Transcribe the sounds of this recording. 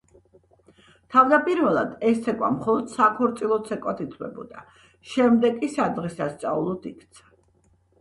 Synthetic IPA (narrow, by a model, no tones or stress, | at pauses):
t̪ʰavd̪apʼiɾvɛlˠa̰d̪ɛst̪ʰɛkʼwa̰mχɔlˠɔd̪̥sakʰɔɾt̪sʼilˠɔt̪sʰɛkʼwat̪ʰit̪ʰwɛ̰bɔ̰d̪a | ʃɛmd̪ɛkʼisad̪ʁɛsast̪sʼaulˠɔd̪ikʰt̪sʰḁ